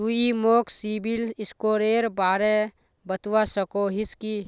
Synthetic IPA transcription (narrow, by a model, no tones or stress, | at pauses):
uimoːksiːbɪlɪskoːɾeːɾbaːɾe | bət̪wasəkoɦɪski